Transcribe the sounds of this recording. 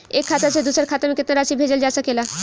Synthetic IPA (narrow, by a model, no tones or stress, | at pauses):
ekʰːat̪əsed̪usəɾkʰaːt̪amẽkɪt̪naɾasibʱed͡ʒəld͡ʒaːsəkela